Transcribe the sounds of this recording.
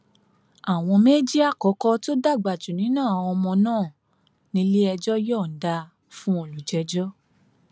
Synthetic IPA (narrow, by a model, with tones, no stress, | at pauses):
a˨w̃ɔ̃˧me˦d͡ʒi˦a˦˨kɔ˨˦kɔ˦to˦da˦˨ɡ͡ba˨tu˨nĩ˨˦nãː˦˨ɔ˧mɔ̃˧nãː˦˨ | nĩ˧le˦ɛ˧d͡ʒɔ˦jɔ˦˨n̩˨da˧ | fũ˦o˧˨lu˨d͡ʒɛ˧˦d͡ʒɔ˦